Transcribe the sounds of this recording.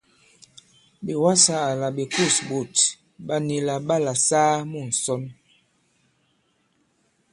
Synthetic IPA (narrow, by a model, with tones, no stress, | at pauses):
bi˨wa˦saː˦˨la˨bi˨ku˦˨sbu˨t | ba˦ni˨la˨ba˦la˨saː˦mu˦˨n̩˨sɔ˦n